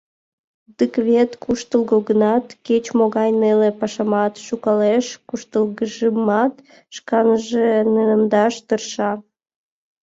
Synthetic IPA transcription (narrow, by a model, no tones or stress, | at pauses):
d̪əkβʲet̪kʰuʃt̪əlˠɣoɣənɑt̪ket͡ɕmoɣɑjnelepɑʃɑmɑt̪ʃukɑleʃkuʃt̪əlˠɣəʒəmɑt̪ | ʃkɑnəʒenənəmd̪ɑʃt̪ərʃɑ